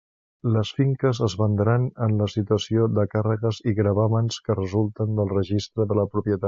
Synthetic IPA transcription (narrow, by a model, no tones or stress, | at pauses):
ləsfiŋkəzəzβənd̪ɾanənləsit̪uəsioðəkarəɣəziɣɾəβamənskərəzulˠt̪ənd̪əlˠrəʒist̪ɾəðələpɾupjət̪a